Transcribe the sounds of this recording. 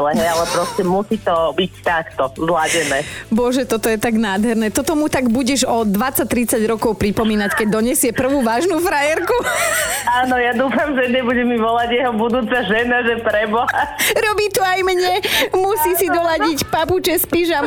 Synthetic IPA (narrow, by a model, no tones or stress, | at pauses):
lɛɦɛjalɛpɾɔscɛmusiːt̪ɔbict̪akt̪ɔzlaɟɛnɛːbɔʒɛt̪ɔt̪ɔjɛt̪aɡnaːd̪ɦɛɾnɛːt̪ɔt̪ɔmut̪aɡbuɟɛʒɔd̪ʋat͡sːac̚t̪ɾit͡saɟɾɔkɔʊpɾipɔmiːnackɛɟ̚d̪ɔɲɛsɪɛpr̩ʋuːʋaːʒnuːfɾajɛɾku | aːnɔjad̪uːfamʒɛɲɛbuɟɛmiʋɔlaɟjɛɦɔbud̪uːt͡saʒɛnaʒɛpɾɛbɔɦaɾɔbiːt̪uajmɲɛmusiːsid̪ɔlaɟicpaput͡ʃɛspiʒam